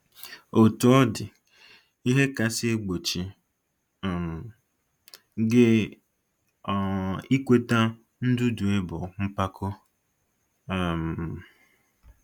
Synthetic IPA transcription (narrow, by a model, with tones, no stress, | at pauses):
o˨tu˨ɔ˦dɪ˨ | i˦ɦe˦ka˨sɪ˦e˦ɡ͡bo˨t͡ʃi˨ | ɡe˦˨ | i˦kʷe˦ta˦ | n̩˦dʊ˦du˨e˦bʊ˨ŋ͡m̩˦pa˦kʊ˦˨ | m̩˨